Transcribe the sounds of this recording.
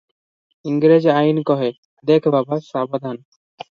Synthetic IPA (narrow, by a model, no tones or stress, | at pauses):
iŋɡɾed͡ʑajnkɔɦe | d̪ekʰbabasabod̪ʱan